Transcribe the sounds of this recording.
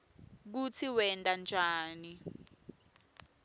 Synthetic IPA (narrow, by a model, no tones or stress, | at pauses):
k̬ut͡sʰiwɛntʼand͡ʒʱaːni